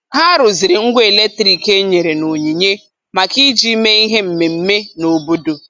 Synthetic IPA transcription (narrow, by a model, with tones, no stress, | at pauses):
ha˦ɾʊ˨zɪ˨ɾɪ˨ŋ̩˦ɡʷe˨le˦k̚tɾi˨ke˦ɲe˨ɾe˨no˨ɲi˨ɲe˦ | ma˨ki˦d͡ʒi˦me˦i˦ɦe˦m̩˨me˨m̩˦me˦no˨bo˦do˨